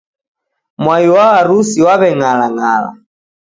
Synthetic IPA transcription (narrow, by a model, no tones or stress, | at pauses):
mwajuwawaɾusiwaβɛŋalaŋaːla̰